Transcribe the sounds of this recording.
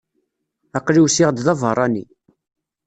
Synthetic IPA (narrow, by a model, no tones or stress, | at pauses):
ɑqliwsiʁd̪ðɑvɦəɾˤɑnḭ